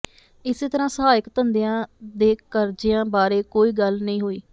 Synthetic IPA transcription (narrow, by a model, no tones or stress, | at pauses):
ɪseːt̪əɾãːsəɦaːɪkt̪ənd̪ejãːd̪eːkəɾd͡ʒɪjãːbaːɾeːkoːiːɡəlnəĩːɦoːḭː